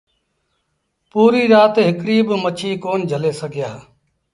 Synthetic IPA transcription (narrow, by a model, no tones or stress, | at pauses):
puːɾiːɾaːt̪eɦɪkɽiːbmət͡ʃʰiːkoːnd͡ʒʱəleːsəɡjaː